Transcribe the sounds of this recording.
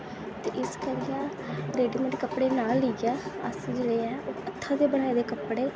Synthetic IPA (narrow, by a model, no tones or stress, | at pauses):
t̪eːʔɪskəɾiãː | ɾeːɖiːmə̃ʈːkəpːɽeːnaːlːəiɡɛːə̰sd͡ʒɪleːɛ̃ːoːət̪ʰːãːd̪eːbəɽ̃aːeːd̪eːkəpːɽeː